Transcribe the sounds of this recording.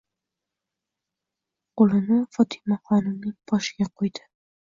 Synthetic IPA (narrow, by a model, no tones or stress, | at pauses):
qolˠɪnɪfɒt̪ʰɪ̥maχɒnɪmnɪŋb̥ɒʃɪɡʲaqʰojd̪ɪ̥